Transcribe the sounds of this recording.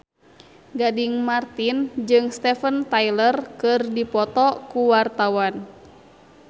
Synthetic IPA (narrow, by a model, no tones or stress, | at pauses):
ɡadiŋmart̪ind͡ʒɨŋst̪ɛfənt̪ajlərkɨrdipɔt̪ɔkuwart̪awan